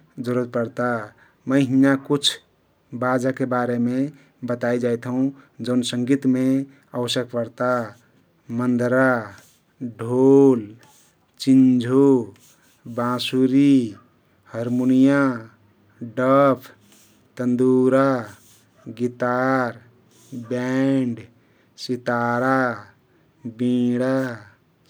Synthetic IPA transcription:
d͡ʒəɾət̪̚pəɾt̪a | məɦijakut͡ʃʰ | bad͡ʒakebaɾeme | bət̪aid͡ʒajt̪ʰɦũd͡ʒəʊnsəŋɡit̪me | əwəsjək̚pəɾt̪a | mənd̪ɾa | ɖʱol | t͡ʃind͡ʒʱo | bãsuɾi | həɾmunija | ɖəpʰ | t̪ənd̪uɾa | ɡit̪aɾ | bɛɳɖ | sit̪aɾa | bĩɽa

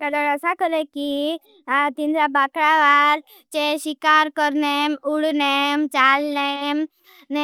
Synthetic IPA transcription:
kəd̪əɾəsakəɾeki | t̪ind̪ɾabakɾaʋaɾ | t͡ʃeʃikaɾkəɾnemuɽnemt͡ʃalnem | ne

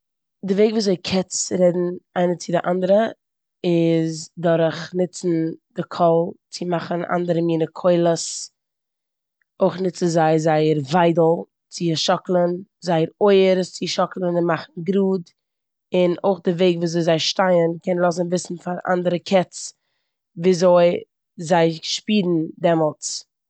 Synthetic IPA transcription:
dɪveɪɡvuːszoɪkʰɛt͡sɾɛdn̩aɪnət͡sɪdɪʔandəɾə | ɪzdɔɾχnɪt͡sn̩dɪkʰɔlˠt͡sɪmaχənʔa̰ndəɾəmiːnəkʰoɪlˠəs | oɪχnɪt͡sɪzaɪəzaɪəɾvaɪdl̩ˠ | t͡sɪʃɔklˠənzaɪəɾoɪəɾt͡sɪʃɔklˠənɪnmaχn̩ɡɾuːd | ɪno̰ɪχdɪveɪɡvuːzoɪzaɪʃtaɪənkɛnlˠɔs̬ənvɪsn̩faɾa̰ndəɾəkʰɛt͡s | viːzoɪ | zaɪʃpiːdn̩dɛmɔlˠt͡s

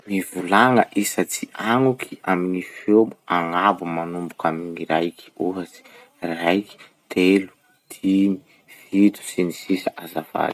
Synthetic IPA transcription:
mivulaŋə̰ʔisat͡siʔaŋukʰiaminifomuaŋabumanumbukaminirajki̥uɦasi̥ | rajki̥ | t̪ʰelu̥ | t̪ʰimi̥ | fit̪u̥sinisisaʔazava̰li̥

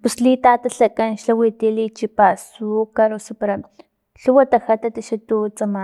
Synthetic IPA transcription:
puslit̪aːt̪aɬakanʃlawiːt̪iliːt͡ʃipasukaɾosapaɾa | ɬuwat̪axat̪at̪aʃat̪ut͡sama

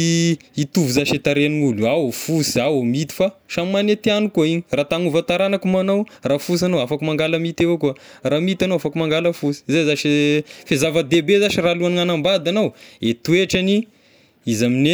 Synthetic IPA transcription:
it̪uvuzaʃet̪aɾeniŋuluaofusiaomit̪i̥faʃammanet̪ianukuaiɲiraːt̪aŋuvat̪aɾanakumanowraːfus̬anowafakumaŋɡaləmit̪evokuəramit̪anowafakumaŋɡaləfusi̥zezaʃifezavəd̪ebezaʃiraluaniŋanambad̪anowet̪ueʈ͡ʂani | izamine

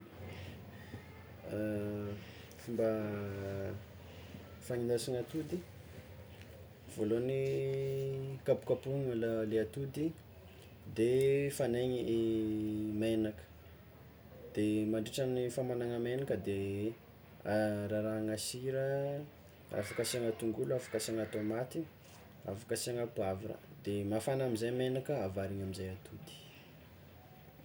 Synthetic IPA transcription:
fumba | faɲind̪asuŋat̪ud̪i | v̥oloni | kapu̥kapuŋalaleat̪ud̪i | d̪efaneɲiʔ | menakə̥ | d̪̥emaɳɖ͡ʐeʈ͡ʂənifamanaŋəmenakəd̪e | ɾaɾaŋasiɾə | a̰fakasiaŋat̪uŋɡuluafḁkasiaŋat̪omat̪i | a̰fḁkasiaŋəpuaviɾə̰d̪emafanamizajmenakəavaɾiɲamizajat̪ʰud̪i̥

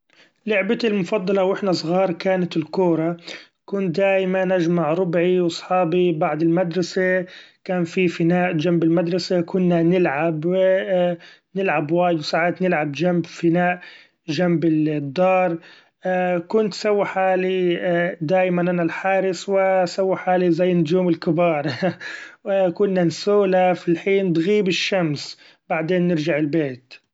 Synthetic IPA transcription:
lʊʕbat̪ɪlmʊfɑd̪ˤːɑlɑwʔɪħnasˤɣɑːɾˤkaːnat̪ɪlkuːɾˤɑ | kʊnd̪aːjmanːʔad͡ʒmaʕɾˤʊbʕiwɑsˤħɑːbibaʕd̪ɪlmad̪ɾˤɑsakaːnfifɪnaːʔd͡ʒambɪlmad̪ɾˤɑsakʊnːanɪlʕab | nɪlʕabwaːjɪd̪wsaʕaːt̪nɪlʕabd͡ʒambfɪnaːʔ | d͡ʒambɪd̪ˤːɑːɾˤ | kʊnt̪sawːiħaːlid̪aːjmanʔanalħaːɾɪswɪsawːiħaːlizajːnʊd͡ʒuːmɪlkɪbɑːɾˤ | kʊnːansuːlafilħiːnd̪ɣiːbɪʃːams | baʕd̪eːnːɪɾd͡ʒaʕɪlbeːt̪

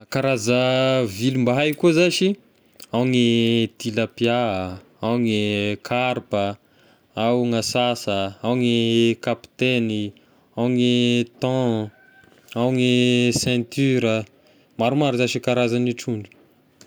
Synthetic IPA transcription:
kaɾazəvilumbaɦajkuzaʃi | awŋid̪iləpja | awŋikʰaɾpə | awŋasasəawŋikapi̥t̪eni | awŋit̪ɑ̃ | awŋisɛ̃t̪yɾə | maɾumaɾuzaʃikaɾazaniʈ͡ʂuɳɖ͡ʐi̥

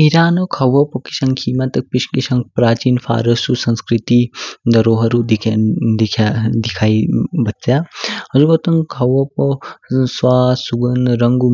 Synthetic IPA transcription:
iɾaːnokʰɐʋɐpɐki̥sɐŋkʰiːmɐt̪ɐk̚piʃkiʃɐŋɡpɾaːt͡ʃiːnfʰa̰ːɾɐsusɐ̃nskɾit̪id̪ɐɾoːɦɐɾud̪d̪ikʰad̪ikʰaːibɐtsjaːɐzubɐt̪ɐŋkʰɐwɐposʋaːsuɡɐnɾɐŋɡu

